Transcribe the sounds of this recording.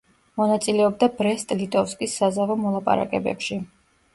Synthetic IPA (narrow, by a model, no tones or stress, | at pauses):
mɔnat̪sʼilɛɔb̚d̪abɾɛst̪ʼlit̪ʼɔfskʼisːazavɔmɔlˠapʼa̰ɾa̰kʼɛ̰bɛ̰pʃi